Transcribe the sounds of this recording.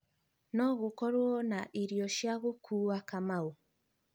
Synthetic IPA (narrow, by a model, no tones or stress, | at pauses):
nɔɣokɔɾwɔnaʔiɾiɔʃjaɣukʰuːakamau